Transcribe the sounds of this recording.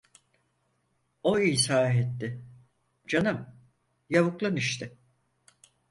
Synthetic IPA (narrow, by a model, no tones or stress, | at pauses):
oiːsaːɦɛt̪ːɪ | d͡ʒanɯm | jaβɯklˠaniʃt̪ʰɪ